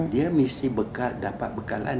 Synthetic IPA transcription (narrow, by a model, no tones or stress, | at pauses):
diamisibəkaldapat̪̚bəkala̰